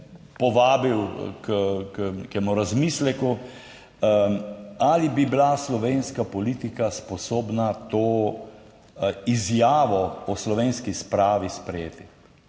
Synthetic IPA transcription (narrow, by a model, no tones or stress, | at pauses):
pɔʋaːbiwkknekemuɾazmislɛku | alibibilaslɔʋeːnskapɔlit̪ikaspɔsoːbnat̪oː | izjaːʋɔɔslɔʋeːnskispɾaːʋispɾɛjḛːt̪i